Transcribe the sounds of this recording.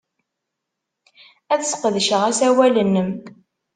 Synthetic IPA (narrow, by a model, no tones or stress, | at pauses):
æθsqəðʃəʁæsæwælənːəm